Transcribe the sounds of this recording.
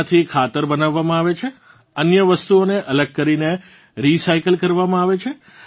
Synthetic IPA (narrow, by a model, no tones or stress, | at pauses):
t̪ʰikʰat̪əɾbənaʋːamãaʋet͡ʃʰe | ənjəʋəst̪uoneʔələɡ̚kəɾine | ɾisaikəlkəɾʋamãaʋet͡ʃʰe